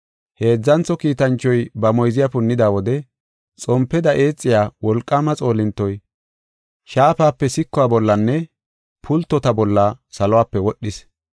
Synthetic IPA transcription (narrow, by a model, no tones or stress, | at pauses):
he̞ːd͡zːɐnt͡sːɔkiːt̪ɐnt͡ʃːɔjbɐmɔjzɪjapʊnːɪd̪aːwɔd̪ɛ | t͡sʼɔmpːɛd̪ɐʔe̞ːt͡sʼːɪjaːwɔlkʼːamɐt͡sʼo̞ːlɪnt̪ːɔj | ʃaːpaːpːɛsɪkːʊaːbɔlːɐnːɛ | pʰʊlt̪ːɔt̪ɐbɔlːɐsɐlɔwaːpːɛwɔʔɗːɪs